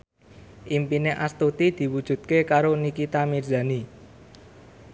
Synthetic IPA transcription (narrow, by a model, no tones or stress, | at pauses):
ʔimpineʔast̪ut̪id̪̥i̤wud̥ʒ̥ṳt̪̚kekaɾonikit̪amirza̤ni